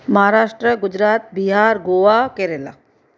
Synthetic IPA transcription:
mɐɦaɾaːʂʈɾəɡʊd͡ʒɾaːt̪̚biɦaːɾɡoːʋakeɾela̰

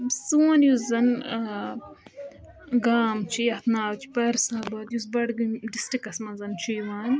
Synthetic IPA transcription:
suːnjuszɐn | ɡaːmt͡ʃʰijɐt̪naːwt͡ʃʰi̥pɐɾsabɐt̪jus̬bɐɽɡɖisʈikɐsmɐzɐnt͡ʃʰijʋaːnʲ

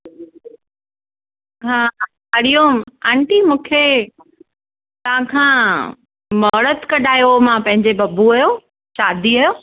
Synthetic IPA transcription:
ɦaː | ɐɽijoɛ̃ːɳʈimũːkʰe | t̪ɐʋ̤ãkʰãː | mɔːɾət̪kɐɗaːjomãpɐ̃ɦɪ̃ɲd͡ʑebɐbuɐjo | ʃaːd̪ʱiɐjo

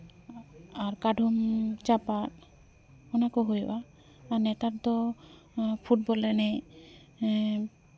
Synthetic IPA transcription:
aɾkaɖʱumt͡ʃapaɾ | ɔnakɔɦojbaː | nɛt̪aɾd̪ɔ | pʰuʈ̚bɔlɛnɛ

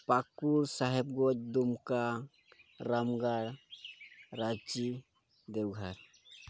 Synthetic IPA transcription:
pakuɾsaɦɛb̚ɡɔt͡ʃ̚d̪umka | ɾamɡaɽ | ɾad͡ʒi | d̪ɛwɡʱaɾ

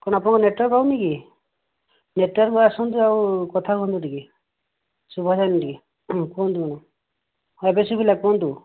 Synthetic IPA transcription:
kɔɽ̃ap̬nɔŋkɔneʈwɔɾpawniki | neʈwɔɾkɔasɔnd̪uawkɔt̪ʰakɦɔnd̪uʈiki | subʱɔd͡ʒanɔʈiki | kɔnd̪ukɔnɔ | ebesubʱilakɔnd̪u

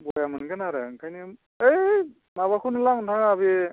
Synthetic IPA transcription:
bɔjamɯnɡɯnaɾɯ̰ŋkʰajni | ej | naβakʰunɯlaŋntʰaŋabi

